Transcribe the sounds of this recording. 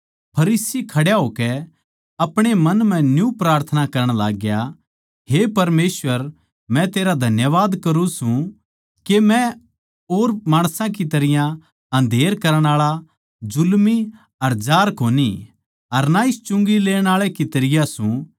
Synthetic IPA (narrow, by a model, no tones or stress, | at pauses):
pʰɐɾiːsikʰɐɽjaɦoːkɛ | ɐpɽ̃emɐnm̤ɛ̃njũpɾaːɾt̪ʰənakɐɾəɽ̃laːɡja | ɦepɐɾmeːsʋəɾ | mɛ̃t̪eːɾad̪ʱɐnjəʋaːd̪kɐɾũsũ | kemɛ̃ | oːɾmaːɽ̃sãk̬it̪ɐɾɪjã | ɐ̃nd̪ʱeːɾkɐɾəɽ̃aːɭa | d͡ʒʊlmi | ɐɾd͡ʒaːɾkoːni | ɐɾnaɪst͡ʃʊ̃ŋɡileːɽ̃aːɭekit̪ɐɾɪjasũ